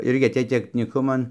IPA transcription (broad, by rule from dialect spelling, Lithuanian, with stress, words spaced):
ˈɪrʲɡʲɪ ɐˈtʲeːj tʲɛknʲiːˈkʊmɐn